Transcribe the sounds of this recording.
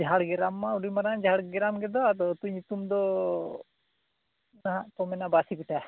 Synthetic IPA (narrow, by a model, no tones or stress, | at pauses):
d͡ʒʱɦaɽɡɛɾamːauɖumaɾand͡ʒʱaɽɡɛɾamɡɛd̪ɔat̪ɔt̪uɲut̪umd̪ɔ | naɦap̪ɔmɛnabasibiʈʰa